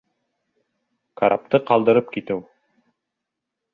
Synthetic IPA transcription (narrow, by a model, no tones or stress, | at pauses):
kaɾʔa̰p̚t̪ɤqɑlˠd̪ɤ̆ɾɤpkit̪ɘw